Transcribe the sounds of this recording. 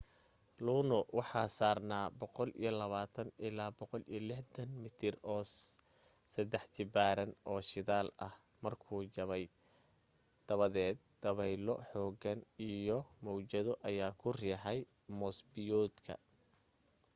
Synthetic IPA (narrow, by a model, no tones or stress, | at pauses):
luːnɔwɑħɑːsaːrnaːbɔqɔlḭjɞlɐβaːt̪ʰɐnɪlaːbɔqɔlijɔlɪħd̪ɐnmɪt̪ʰɪrɔː | sɐd̪ɛħt͡ʃɪbaːɾɐnʔɔːʃɪðaːlɐ̰h | mɐrkʰuːd͡ʒɐβɛj | d̪̥ɐβɐðɛːd̪̚ːɐβɛjlɔ̰ħɔːɡɐnijɔmɔwt͡ʃɐðɔʔɐjaːkʰʊrɛːħɛj | mɔsbɪjɔːd̪kʰɐ̰